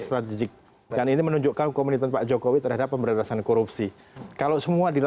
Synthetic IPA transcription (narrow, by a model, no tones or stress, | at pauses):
st̪ɾat̪id͡ʒɪk̚ | daninimənuɲd͡ʒuʔkankomunit̪anpaʔd͡ʒokowit̪ərɦadapːəmbəɾalasankoɾup̚si | kalosəmuadil